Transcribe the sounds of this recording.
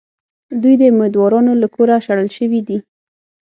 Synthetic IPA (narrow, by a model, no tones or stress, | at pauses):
d̪ujd̪əmed̪wɑɾɑnolakʰoɾaʃaɽəlʃəwid̪i